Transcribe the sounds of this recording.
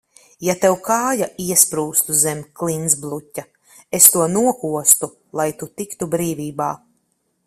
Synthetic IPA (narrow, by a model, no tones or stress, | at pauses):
jat̪ɛwkaːjaʔiɛspɾuːst̪uzɛmʲklˠinzblˠutʲːa | est̪uɔnuɔkuɔst̪u | lˠajt̪ut̪ikt̪ubɾiːvʲiːbaː